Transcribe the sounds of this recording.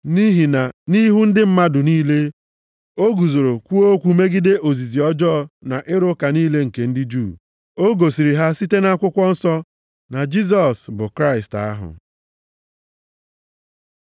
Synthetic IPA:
ni˦ɦi˨na˨ni˦ɦu˦n̩˦dɪ˦m̩˦ma˦dʊ˨niː˦le˦ | o˦ɡu˨zo˨ɾo˨kʷu˦o˦kʷu˦me˦ɡɪ˦de˦ʔo˨zi˨zi˨ɔ˦d͡ʒɔː˦˨na˨ʔɪ˦ɾʊ˦ka˨niː˦le˦ŋ̩˨ke˨n̩˦dɪ˦d͡ʒuː˦˨ | o˦ɡo˨si˨ɾi˨ɦa˦si˦te˦na˦kʷʊ˦kʷɔ˦n̩˦sɔ˦ | na˨d͡ʒi˦s̬ɔ˨sbʊ˨kɾa˦ɪ˨sta̰˦ɦʊ̰˨

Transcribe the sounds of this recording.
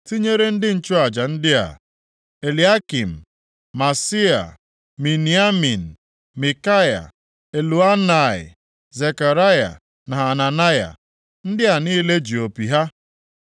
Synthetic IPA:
ti˦ɲe˦ɾe˦n̩˦dɪ˦n̩˨t͡ʃʊ˦a˨d͡ʒa˨n̩˦dɪ˦a̰˨ | e˨li˨˦a˦ki˨m̩˨ | ma˨si˦a̰˨ | mi˨ni˨a˦mi˨n̩˨ | mi˨ka˦ja̰˨ | e˨lu˨a˦na˨ɪ̰˨ | ze˨ka˨ɾa˦ja̰˨ | na˨a˨na˨na˦ja̰˨ | n̩˦dɪ˦a˨niː˦le˦d͡ʒi˨o˨pi˨ɦa˦

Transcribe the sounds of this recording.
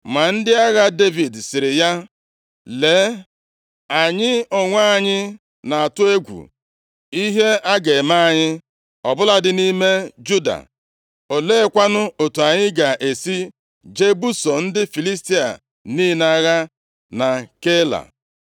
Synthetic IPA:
ma˨n̩˦dɪ˦a˦ɣa˦de˦vi˨dsɪ˨ɾɪ˨ja˦ | le˨˦ | a˨ɲɪ˦ɔ˨ŋʷa˦a˨ɲɪ˦ | na˨a˨tʊ˦e˦ɡʷṵ˨ | i˦ɦe˦a˦ɡe˨ma˦a˨ɲɪ˦ | ɔ˨bʊ˦la˦dɪ˦ni˦me˦d͡ʒu˦da̰˨ | o˨le˦kʷa˦nʊ˦o˨tu˨a˨ɲɪ˦ɡa˨ʔe˨si˦ | d͡ʒe˦bu˦so˨n̩˦dɪ˦fi˨li˦s̬ti˦a̰˨ | niː˦na˦ɣa˦ | na˨ke˦la̰˨

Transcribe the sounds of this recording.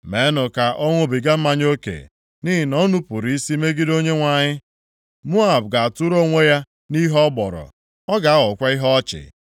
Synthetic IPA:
me˨˦nʊ˨ka˨ʔɔ˦ŋʷʊ˦bi˨ɡa˦m̩˦ma˦ɲ˦o˦kḛ˨ | ni˦ɦɪ˨nɔ˦nu˦pʊ˨ɾi˦si˦me˦ɡi˦do˦ɲe˦ŋʷa˨ɲɪ˦ | mu˦a˨bɡa˨a˨tʊ˦ɾo˦ŋʷe˦ja˦ | ni˦ɦɔ˦bɔ˨ɾɔ̰˨ | ɔ˦ɡa˨a˦ɣʊ˨kʷa˦i˦ɦɔ˦t͡ʃɪ̰˨

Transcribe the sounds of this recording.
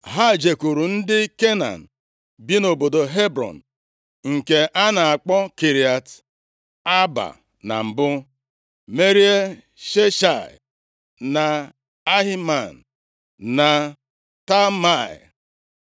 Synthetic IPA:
ɦa˦˨d͡ʒe˨ku˨ɾu˨n̩˦dɪ˦ke˦na̰˨n̩˨ | bi˦no˨bo˨do˨ɦe˦bɾɔ̰˨n̩˨ | ŋ̩˨ke˨ʔa˦na˨a˨k͡pɔ˦ki˨ɾi˨a˨t | a˦ba̰˨ | na̰˨m̩˨bʊ˦ | me˦ɾi˦e˦ | ʃe˦ʃa̰˨ | na˨ | a˦ɦi˦ma˨n̩˨ | na˨ | ta˦ma˦˨ḭ˨

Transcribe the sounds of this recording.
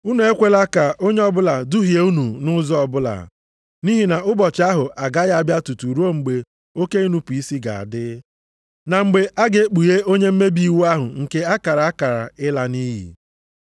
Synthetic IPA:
u˦nu˨e˦kʷe˦la˦ka˨o˦ɲe˦ɔ˦bʊ˦la˨dʊ˦ɦi˨e˨u˦nu˨nʊ˦zɔ˦ɔ˨bʊ˦la̰˨ | ni˦ɦi˨na˨ʊ˦bɔ˨t͡ʃa˦ɦʊ˨ʔa˨ɡa˦ɣa˦˨bja˦tu˨tu˨ɾu˦o˦ŋ͡m̩˨ɡ͡be˨ | o˦ke˦i˦nu˦pu˨i˦si˦ɡa̰˨a̰˨dɪ˦ | na˨ŋ͡m̩˨ɡ͡be˨ʔa˦ɡe˦k͡pu˨je˦o˦ɲe˦m̩˦me˦bi˦˨wu˦a˦ɦʊ̰˨ŋ̩˨ke˦a˦ka˨ɾa˨a˦ka˨ɾa̰˨ɪ˦la˦ni˦ɦḭ˨

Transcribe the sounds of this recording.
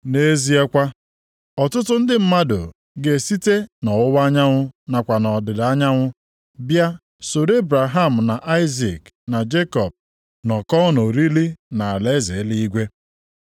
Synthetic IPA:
ne˦zi˦e˦kʷa˦ | ɔ˨tʊ˦tʊ˦n̩˦dɪ˦m̩˦ma˦dʊ̰˨ | ɡe˨si˦te˦nɔ˨ʊ˦ba˦ɲa˦ŋʷʊ˦na˨kʷa˨nɔ˨dɪ˨da˦ɲa˦ŋʷʊ˦ | bja˦ | so˨ɾe˦bɾa˨ɦa˦˨m̩˨na˨ʔa˦ɪ˦zi˨k | na˨d͡ʒe˦kɔ˨b̚ | nɔ˨kɔ˦no˨ɾi˦li˦na˨a˨le˦ze˨˦li˦i˦ɡʷe˦

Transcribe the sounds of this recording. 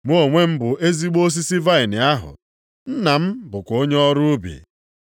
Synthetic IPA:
m˦o˨ŋʷe˦m̩˦bʊ˨e˦zi˦ɡ͡bo˦s̬i˦si˦va˦ɪ˨nɪ˨a˦ɦʊ̰˨ | n̩˦na˨m̩˦bʊ˨kʷo˦ɲe˦ɔ˦ɾʊ˦ʊ˦bḭ˨

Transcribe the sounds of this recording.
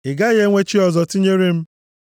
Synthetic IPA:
ɪ˨ɡa˦ɣe˦ŋʷe˦t͡ʃi˦ɔ˨zɔ˨ti˦ɲe˦ɾe˦m̩˦

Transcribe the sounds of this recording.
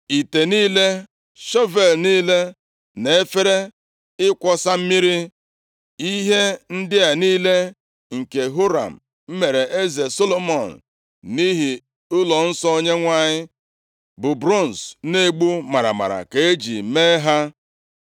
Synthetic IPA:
i˨te˨niː˦le˦ | ʃɔ˦ve˨lniː˦le˦ | ne˨e˦fe˦ɾe˦ | ɪ˦kʷɔ˦sa˦m̩˦mi˦ɾi˦ | i˦ɦe˦n̩˦dɪ˦a˨niː˦le˦ | ŋ̩˨ke˨ɦo˦ɾa̰˨m̩˨ | m̩˦me˨ɾe˨ʔe˦ze˨so˦lo˦mɔ˨n̩˨ | ni˦ɦi˨ | ʊ˦lɔ˨n̩˦sɔ˦o˦ɲe˦ŋʷa˦ɲɪ˦ | bʊ˨bɾo˦˨n̩˨sne˦ɡ͡bu˦ma˨ɾa̰˨ma̰˨ɾa̰˨ke˨e˦d͡ʒḭ˨me˦ɦa˦

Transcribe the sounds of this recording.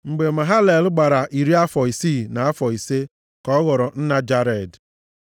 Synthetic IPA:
ŋ͡m̩˨ɡ͡be˨ma˨ɦa˦le˨lɡ͡ba˨ɾa˨ʔi˨ɾi˦a˦fɔ˨i˨si˦˨na˨a˦fɔ˨i˨se˦ | kɔ˦ɔ˦ɣɔ˨ɾɔ˨n̩˦na˦d͡ʒa˦ɾe˨d

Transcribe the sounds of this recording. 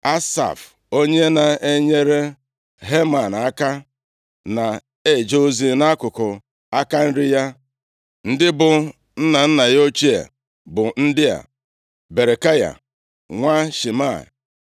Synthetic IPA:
a˦sa̰˨f | o˦ɲe˦na˨e˦ɲe˦ɾe˦ | ɦe˦ma˨n˨a˦ka˦ | na˨ | e˦˨d͡ʒo˦o˦zi˦na˦kʊ˨kʊ˨ | a˦ka˦n̩˦ɾɪ˦ja˦ | n̩˦dɪ˦bʊ˨ | n̩˦na˨n̩˦na˨jo˦t͡ʃi˦a̰˨ | bʊ˨n̩˦dɪ˦a̰˨ | be˨ɾe˨ka˦ja̰˨ | ŋʷa˦ʃi˨ma˦˨

